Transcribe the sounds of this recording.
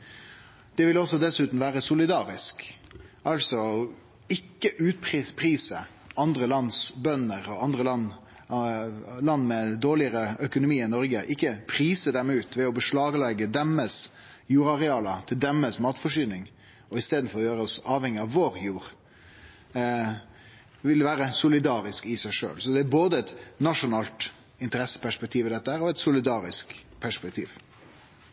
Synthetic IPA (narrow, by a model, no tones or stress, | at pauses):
d̪̥ɛʋɪlɔsːɔd̪ɛsʉːt̪n̩ʋæːɾəsʊlɪd̪ɑːɾɪsk | ɑlsɔ | ɪkːəʔʉːt̪̚pʰɾɪpʰɾiːsə | ɑnd̪ɾəlɑnsbœnəʁɔɑnd̪ʁəlɑnː | lɑnːmɛd̪oːlɪəɾəœkʊnʊmiːɪnɔɾɡəʔɪkːəpʰɾiːsəd̪ɛmʉːt̪ʋɛɔbəʂlɑːɡəlɛɡəd̪ɛmːəs | juːɾɑɾɛɑːlət̪ʰɪld̪ɛmːəsmɑːt̪fɔʂyːnɪŋ | ɔɪst̪eːd̪n̩fɔɾɔjøːɾəɔsɑːʋhɛŋːɪɑʋːoːɾjuːɾ | ʋɪlʋæːɾəsʊlɪd̪ɑːɾɪskɪsæɪʂø̰ːlsɔd̪ɛæɾboːd̪əɛt̪nɑʂʊnɑːlt̪ | ɪnt̪əɾɛsːə̥pʰæʂpɛkt̪ʰiːʋɪd̪ɛt̪ːəhæːɾɔɛt̪sʊlɪd̪ɑːɾɪsk | pʰæʂpɛk̚t̪ʰḭːʋ